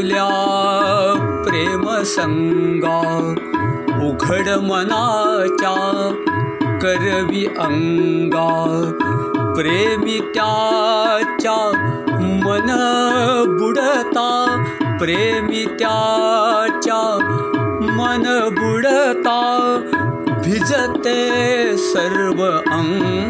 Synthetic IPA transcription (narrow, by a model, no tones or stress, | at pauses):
lja | pɾeməsəŋɡa | uɡʱəɽmənat͡ɕa | kəɾʋiʔəŋɡa | pɾemit̪ja | t͡ɕja | mɐn | buɽət̪apɾeːmit̪ja | t͡ʃa | mɐnbuɽət̪a | bʱid͡zət̪esɐɾʋəʔɐŋ